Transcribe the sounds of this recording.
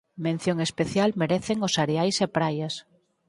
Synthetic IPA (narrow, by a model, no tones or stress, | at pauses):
mẽn̟θjoŋespeθjalmeɾeθeŋosaɾeajsepɾajas